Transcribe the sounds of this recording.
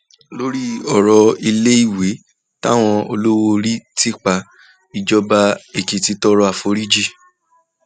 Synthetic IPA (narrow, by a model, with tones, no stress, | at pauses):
lo˦ɾi˦ɔ˨ɾɔ˧i˧le˦i˦˨we˨˦ | ta˦˨w̃ɔ̃˧o˧lo˦wo˧ɾi˦ti˦k͡pa˧ | i˧d͡ʒɔ˧ba˧e˨ki˨ti˨˧˦tɔ˦˧ɾɔ˦a˦˨fo˧˦ɾi˦d͡ʒi˦˨